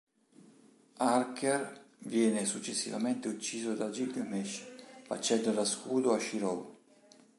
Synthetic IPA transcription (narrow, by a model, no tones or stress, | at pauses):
arker | vjɛːnesut͡ʃːesːḭva̰ment̪eut͡ʃːiːzod̪ad͡ʒid̪amɛʃfa̰t͡ʃːɛnd̪olaskuːd̪oaʃiɾɔw